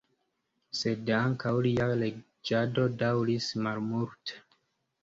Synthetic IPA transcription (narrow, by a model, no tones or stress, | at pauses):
se̞daŋkawliale | d͡ʒado̞dawɾismalmuɾte̥